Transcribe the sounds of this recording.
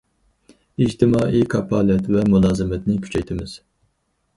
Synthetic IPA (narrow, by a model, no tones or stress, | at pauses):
id͡ʒt̪ʰɪmɑːʔikʰɑpʰɑːlɛt̪vɛmulˠɑːzɨmɛt̪nɪkʲʰy̥t͡ʃʰɛjt̪ʰɪmɪz̥